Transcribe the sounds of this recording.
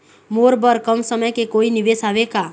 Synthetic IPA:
moːɾbəɾkəmsəməjkekoːinɪʋeːsaːʋekaː

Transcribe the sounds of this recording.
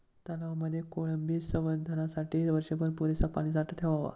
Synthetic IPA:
t̪alaʋaməd̪ʱːjekoɭəmbiːsə̃mbənd̪ʱənasaʈiːʋəɾɕepəɾpuɾisapalisaʈət̪ʰeʋaʋa̰

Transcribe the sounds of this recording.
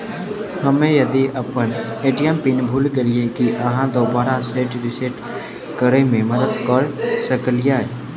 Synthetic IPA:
hɐmẽjɐd̪iʔɐpən | eːʈijəmpinbʱuːlkeliekiʔəɦãd̪oːbaːɾaseːʈɾɪseʈ | kəɾemẽmɐd̪əd̪kəɾsəkəlijaɦɛː

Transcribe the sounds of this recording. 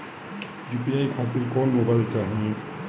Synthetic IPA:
jupiajkʰat̪iɾkɔnmobajlt͡ʃaɦĩe

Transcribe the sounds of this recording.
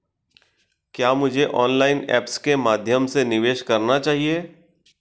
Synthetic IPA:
kjaːmʊd͡ʒʱeʔɔːnlaːɪnɛ̰ːpskemaːd̪ʱjəmsenɪʋeːʃkɐɾnat͡ʃaːɦie

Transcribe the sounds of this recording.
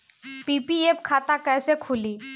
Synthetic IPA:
pipiepkʰaːt̪akɛːsekʰʊliː

